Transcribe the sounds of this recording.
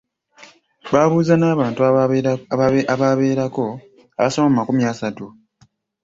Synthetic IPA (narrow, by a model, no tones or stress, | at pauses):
βaːβuːzanaːβaːntu | aβaβe̞ːɾako̞ | a̰βasomamumakumjasatu